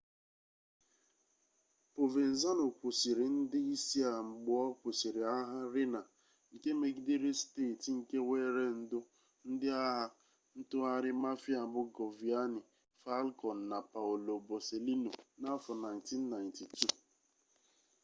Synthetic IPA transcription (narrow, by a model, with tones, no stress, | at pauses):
po˨ve˨n̩˨za˦no˨kʷu˨si˨ɾɪ˨n̩˦dɪ˦i˦si˦a˨ŋ͡m̩˨ɡ͡bʊ˦˨ɔ˦kʷo˨si˨ɾi˨a˦ɦa˦ɾɪ˦na˨ | ŋ̩˨ke˦me˨ɡi˦de˦ɾe˦steː˦˨tŋ̩˨ke˦weː˦ɾe˦n̩˨dʊ˦ | n̩˦dɪ˦a˦ɦa˦ | n̩˦tʊ˦a˦ɾɪ˦ma˦fi˦a˨bʊ˦ɡo˨vi˨a˦nɪ˨ | fa˦lkɔ˨n̩˨na˨pa˨ʊo˨lo˨bo˨se˨li˦no˨na˦fʊ˨na˨jnti˦nː˦a˨jnti˨tu˦˨